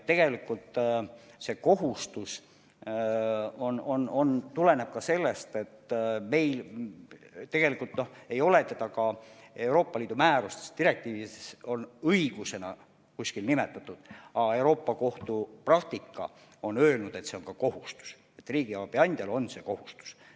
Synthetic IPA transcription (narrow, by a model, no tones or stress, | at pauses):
t̪t̪ːe̞ɡ̥e̞likːˑult̪se̞ko̞ɦust̪us | o̞no̞no̞nt̪ule̞neb̥̚kɑse̞lːe̞st̪e̞t̪ːme̞jl | t̪e̞ɡ̥e̞likːˑult̪nohe̞jo̞le̞t̪et̪ɑkɑe̞wɾo̞ːpːɑliːd̪umæːɾust̪est̪iɾe̞k̚t̪iːviso̞nɤiɡ̥use̞nɑ | kusʲkilnime̞t̪ːˑɑt̪ːˑud̪̥ɑe̞wɾo̞ːpːɑko̞ht̪uprɑk̚t̪ikːˑɑ̰ | o̞nø̞ːlnud̪̥e̞t̪se̞onkɑko̞ɦust̪u̥s | e̞t̪ːriːɡ̥iɑb̥iɑnʲd̪̥ʲɑlo̞nse̞ko̞hust̪u̥s